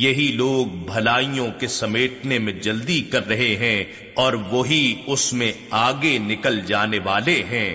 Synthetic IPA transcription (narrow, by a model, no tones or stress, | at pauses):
jɐɦiloːɡ̚bʱɐlaːijõkesɐmeːʈnemẽd͡ʒɐld̪ikɐɾːɐɦeɦɛ̃ | ɔːɾʋoɦiʊsmẽ | aːɡenɪkəld͡ʒaːneʋaːleɦɛ̃ː